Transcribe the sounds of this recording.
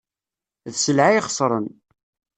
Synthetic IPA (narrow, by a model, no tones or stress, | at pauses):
ðsəlʕaiχə̥sˤɾˤə̰n